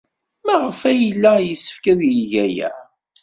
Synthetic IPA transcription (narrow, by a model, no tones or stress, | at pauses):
mæʁəfæjlːæjəsːə̥fkæðjəʝæjæ̰